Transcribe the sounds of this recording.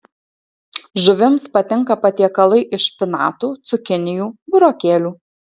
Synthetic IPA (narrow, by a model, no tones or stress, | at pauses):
ʒʊʋʲɪmspɐt̪ʲɪŋkɐpɐt̪ʲiɛkɐlˠɐɪʔɪʃpʲɪnɑ̰ːt̪uːt̪sʊkʲɪnʲɪjuːbʊɾoːkʲeːlʲuː